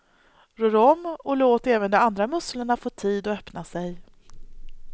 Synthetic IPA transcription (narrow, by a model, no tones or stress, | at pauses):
ɾøːɾɔmːɔloːt̪ɾɛːvənd̪ɔmand̪ɾamɵsləɳafoːt̪ʰiːd̪ɔœpnasɛj